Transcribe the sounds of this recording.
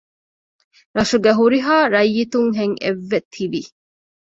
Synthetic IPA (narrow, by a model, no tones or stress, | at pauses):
ɾɐʃuɡeɦuɾiɦaːɾɐjːit̪uŋɦeŋeʋːet̪ʰiʋi